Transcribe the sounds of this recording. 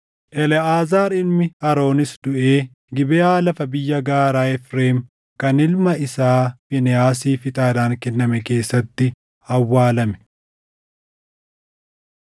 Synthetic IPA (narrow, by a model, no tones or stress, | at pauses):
ʔɛlɛaːzaːɾɪlmɪɐɾo̞ːnɪsd̪ʊʔeː | ɡɪbɛaːlɐfɐbɪjːɐɡaːɾaːɛfɾeːm | kɐnɪlmɐɪsaːfɪnɛaːs̬iːfɪt̪ʼaːd̪aːŋkɛnːɐmɛke̞ːsːɐt̪ːɪ | ɐwːaːlɐmɛ̥